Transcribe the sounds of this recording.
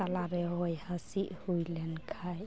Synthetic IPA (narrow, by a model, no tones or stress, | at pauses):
alaɾɛɦɔjhasiʔhujlɛnkʰaj